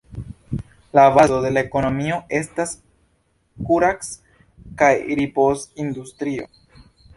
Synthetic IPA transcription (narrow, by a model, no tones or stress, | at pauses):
laːvazo̞de̞laeko̞no̞mio̞ʔe̞stas | kuɾaks | kajɾipo̞sindustɾio̞̰